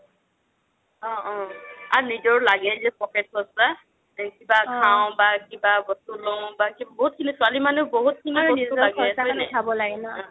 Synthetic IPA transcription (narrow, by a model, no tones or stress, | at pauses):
ɔ̃ɔ̃anizɔɹlaɡɛzɛpɔket̚ːʊasa | kibakʰãw̃bakibabɔstulɔ̃bakibboɦut̚kʰinisʊalimanɛboɦut̚kʰiniɔilaɡɛɔjnɛabɔlaɡɛnã